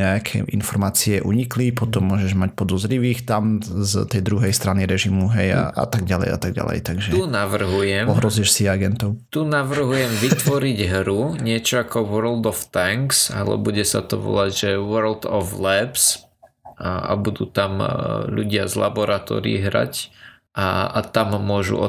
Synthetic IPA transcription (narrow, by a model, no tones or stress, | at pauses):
ɲɛakʰɛ̰ʔḭnfɔɾmaːt͡siɛʔṵɲiklipɔt̪ɔmːʊɔʒɛʒmac̚pɔd̪ɔzɾiʋiːxt̪amzt̪ɛjd̪ɾuɦɛjst̪ɾaniɾɛʒimuɦɛja̰a̰t̪aɡ̚ɟalɛ̰ja̰t̪aɡ̚ɟa̰lɛ̰jt̪aɡʒɛt̪unaʋr̩ɦujɛmɔɦɾɔziʃsiɛaɡɛnt̪ɔʊt̪unaʋr̩ɦujɛmʋit̪ʋɔɾiɟɦɾuɲɪɛt͡ʃɔakɔʋəɾld̪ɔft̪aŋksa̰lɛ̰buɟɛsa̰t̪ɔʋɔ̰laɟʒɛʋəɾld̪ɔvlɛps | a̰bud̪ṵːt̪amʎṵɟɪa̰zla̰bɔɾat̪ɔ̰ːɾɪiḭɦɾa̰c | aat̪amːʊɔʒṵɔ̰